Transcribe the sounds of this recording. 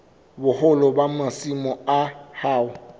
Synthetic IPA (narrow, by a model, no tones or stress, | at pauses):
bʊhʊlɔbamasimɔahaːʊ